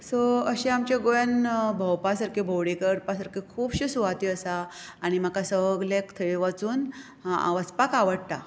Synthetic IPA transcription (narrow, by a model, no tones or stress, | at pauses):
sɔəɕẽamt͡ɕẽɡojanbʱəwpasəɾkebʱowɽikəɾpasəɾkʰekʰuːbɕisuʋat̪iəsaː | ɽ̃im̤akasəʋəɡlekt̪ʰəɭeʋat͡suːn | a̰ʋət͡spakaʋəɽt̪a